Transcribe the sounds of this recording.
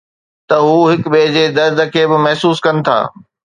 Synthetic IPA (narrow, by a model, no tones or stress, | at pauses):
t̪ɐɦuːɦɪkɓeːd͡ʑeːd̪ɐɾd̪ʱə̆kʰeːbɪmɐɦsuːskɐnɪ̆t̪ʰa̰ː